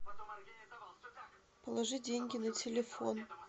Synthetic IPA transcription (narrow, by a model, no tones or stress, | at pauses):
pəlˠɐʐɨdʲeŋʲɡʲɪnɐtʲʰelʲefo̰n